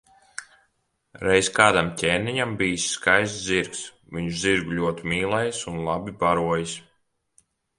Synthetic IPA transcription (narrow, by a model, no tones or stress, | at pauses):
ɾɛjskaːd̪amcʲɛːniɲambijisʲːkajsziɾks | viɲuʃziɾɡuʎʲuɔt̪imʲiːlˠɛjsunlˠabibaɾuɔjis